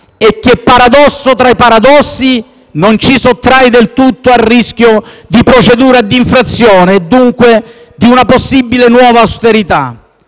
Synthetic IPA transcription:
ekːepːaɾad̪ɔsːot̪ɾaipaɾad̪ɔsːi | nont͡ʃisot̪ːɾajd̪elt̪ut̪ːoarːisk̟jod̪ipɾot͡ʃed̪uːɾad̪iɱfɾat̪sːjɔːned̪ːuŋkwe | d̪iunaposːibːilenwɔːvaast̪eɾit̪a̰

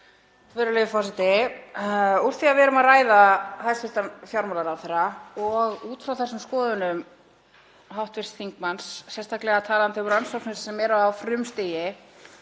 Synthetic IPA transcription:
vɪɾʏlevɪfɔsɪt̪ɪ | uɾ̥θiavɛɾʏmaðraːjðahajst̪fɪlt̪amfjawɾmɔlaɾawθɛraɔɣuːt̪fɾawθɛsːʏmskɔːðʏnʏm | ɦawht̪vɪst̪θiŋk̚mansːɛnst̪aklɛɣat̪ʰaːlant̪ɪʏmɾransɔwksnɪssɛmɛɾawfɾʏmst̪ɪjɪ

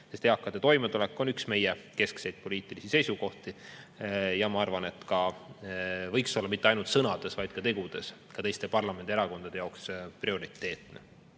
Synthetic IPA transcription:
se̞st̪eɑkˑːɑd̪̥et̪o̞jmet̪ule̞kːˑo̞nyksme̞jɛke̞skse̞jd̪̥̚po̞liːt̪ːˑilisise̞jsuko̞ht̪i | jɑmɑɑrvɑne̞t̪ːˑkɑ | vɤjkso̞lːɑmit̪ːeɑjnult̪sɤnɑd̪̥e̞svɑjd̪̥̚kɑt̪e̞ɡ̥ud̪̥e̞skɑt̪e̞jst̪e̞pɑrlɑmend̪ieɾɑko̞nd̪ɑd̪e̞jɑwksprio̞ɾit̪ːˑe̞ːt̪ˑne

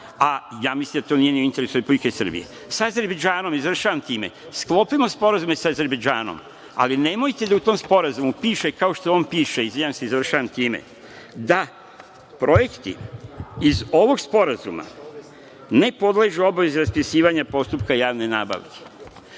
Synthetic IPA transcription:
ajaːmislimd̪at̪o̞ːnije̞nioint̪eɾesuɾepublikesɨr̩bḭje̞̰ | saaze̞ɾbed͡ʒaːno̞mizʋr̩ʃaːʋamt̪iːme̞̰ | sklˠo̞pimo̞spo̞ɾazume̞saaze̞ɾbed͡ʒaːno̰m | a̰line̞mo̞jt̪e̞d̪aut̪o̞mspo̞ɾazumupiːʃekao̞ʃt̪oo̞npiːʃeizijanseizʋr̩ʃaʋamt̪iːmḛ | d̪a | pɾʔo̞je̞kt̪ḭizo̞ʋo̞ɡspo̞ɾazuma̰ | ne̞po̞d̪leʒuo̞baʋezeɾaspisiːʋaɲapo̞st̪upkajaːʋne̞naːba̰ʋke̥

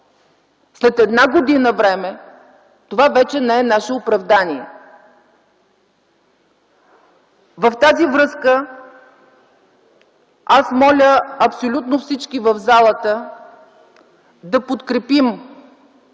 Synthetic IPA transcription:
slɛt̪ɛd̪naɡod̪inəvɾɛmɛ | t̪ovavɛt͡ʃɛnɛɛnaʃɛopɾɐvd̪aniɛ | vəft̪azivɾɤskə | asmɔlʲəɐpsolʲut̪nofsit͡ʃkivəvzalˠət̪ə | d̪ɐpot̪kɾɛpim

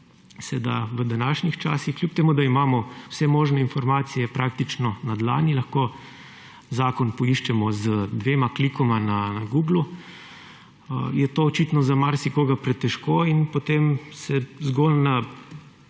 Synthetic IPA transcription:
sɛd̪a̰ʋəd̪anaːʃnixt͡ʃaːsixklʲjup̚t̪emuːd̪aimaːmɔwsɛmoːʒnɛinfɔɾmaːt̪sijɛpɾak̚t̪it͡ʃnɔnad̪la̰ːnilaxko | zaːkɔnpɔiʃt͡ʃɛmɔzəd̪ʋeːmaklikɔmananaɡuːɡlu | əjɛt̪oːt͡ʃit̪nɔzamaɾsikoːɡapɾɛt̪ɛʃkoːinpɔt̪emsɛzɡoːlna

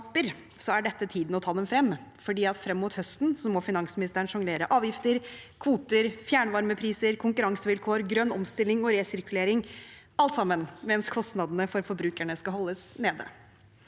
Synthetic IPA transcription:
pəɾ | sɔæɖɛt̪ːət̪ʰiːd̪n̩ɔt̪ʰɑːd̪ɛmfɾɛmːfɔɖiːɑt̪fɾɛmːuːt̪hœst̪nsɔmːɔfɪnɑŋsmɪnɪst̪əɳʂɑŋleːɾəʔɑːʋjɪft̪əɾkʰʋuːt̪əɾfjæːɳʋɑɾməpʰɾiːsəɾkʰʊŋkʉɾɑŋsəʋɪlkʰoːɾɡɾœnːɔmst̪ɪlːɪŋɔɾeːsɪɾkʉleːɾɪŋ | ɑlt̪sɑmːənmɛnskʰɔst̪nɑd̪ənəfɔɾfɔɾbɾʉːkæɳəskɑɦɔlːəsneːd̪ə̰

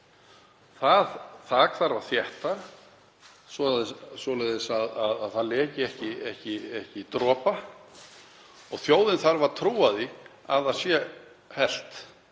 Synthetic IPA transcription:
θaðθakθaɾvaɾθjɛht̪a | sɔðɪsɔlɛðɪsaðaðaðθaðlɛːcɪɛhcɪɛhcɪɛhcɪt̪ɾɔːpa | ɔɣθjoːwðɪnθaɾvaɾ̥t̪ʰɾuːaðɪ | a̰ðasjɛ | hɛl̥t̪

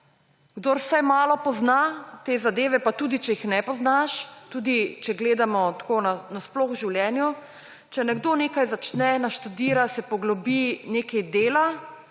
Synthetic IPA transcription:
ɡ̥d̪oːɾwsajmaːlɔpɔznat̪eːzad̪eːʋɛpat̪uːd̪it͡ʃɛixnɛpɔznaʃt̪uːd̪it͡ʃɛɡleːd̪amɔt̪konanasplɔxʒiwljɛːnju | t͡ʃɛnɛɡd̪oneːkajzat͡ʃnɛnaʃt̪ud̪iːɾasɛpɔɡlɔbineːkɛjd̪eːla

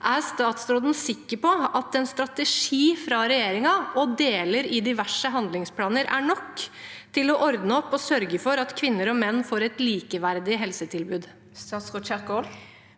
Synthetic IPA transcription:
ʔæɾst̪ɑːt̪sɾoːd̪n̩sɪkːəpɔɑt̪ɛnst̪ɾɑt̪əʂiːfɾɑɾɛjeːɾɪŋɑɔd̪eːləɾɪd̪ɪʋæʂəɦɑnd̪lɪŋspʰlɑːnəɾæ̰ɳɔkː | t̪ʰɪlɔʔɔɾd̪nəɔpːɔsœɾɡəfɔɾɑt̪kʰʋɪnːəɾɔmɛnːfoːɾɛt̪liːkəʋæɾd̪ɪɦɛlsət̪ʰɪlbʉːd̪ | st̪ɑːt̪sʁoːt͡ʃɛkol

